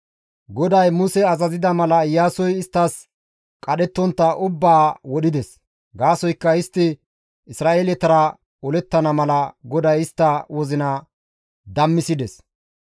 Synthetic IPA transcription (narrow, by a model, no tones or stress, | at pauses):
ɡɔd̪ɐjmʊsɛɐzɐzɪd̪ɐmɐlɐɪjːaːsɔjɪst̪ːɐs | kʼɐɗɛt̪ːɔnt̪ːɐʔʊbːaːwɔɗɪd̪ɛs | ɡaːsɔjkːɐɪst̪ːɪ | ɪsɾaːʔeːlɛt̪ɐɾɐ | ɔlɛt̪ːɐnɐmɐlɐɡɔd̪ɐjɪst̪ːɐwɔzɪnɐ | d̪ɐmːɪsɪd̪ɛs